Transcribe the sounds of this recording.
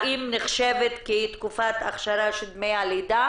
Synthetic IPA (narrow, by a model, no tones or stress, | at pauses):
ʔimneχʃevet̪kit̪kufat̪aχʃaɾaʃed̪mejalida